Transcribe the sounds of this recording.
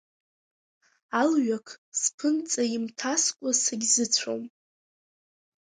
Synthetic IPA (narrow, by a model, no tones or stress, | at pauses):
alɥakʰspʰɨnt͡sʼaimtʰaskʷʼasaɡʲzɨt͡sʷʰo̰m